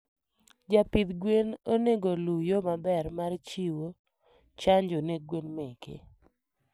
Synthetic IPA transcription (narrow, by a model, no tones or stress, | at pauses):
d͡ʒapit̪ɡwenoneɡolujomabɛrmart͡ʃiwo | t͡ʃaɲd͡ʒoneɡwenmekḛ